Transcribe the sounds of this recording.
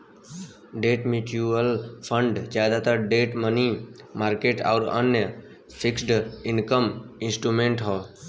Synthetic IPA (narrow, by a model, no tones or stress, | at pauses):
ɖeːʈmjuʈjuəlpʰəɳɖd͡ʒjad̪at̪əɾɖeːʈməni | maːɾkeːʈa̰ʊɾə̰njə | pʰɪksɖɪnkəmɪ̃nsʈɾumẽɳʈɦɔː